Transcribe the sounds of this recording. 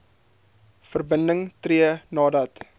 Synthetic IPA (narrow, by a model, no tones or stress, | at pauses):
fərbəndəŋtriənɑːdɐt